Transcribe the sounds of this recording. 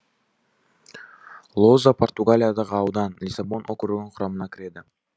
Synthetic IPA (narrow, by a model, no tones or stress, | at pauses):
lˠozapʰo̞rt̪uɡalʲijad̪ɑʁɯɑwd̪ɑnlʲisabo̞nʔokɵɾɵɡunɴqʰʊɾɑmɯnɑkiɾed̪ɪ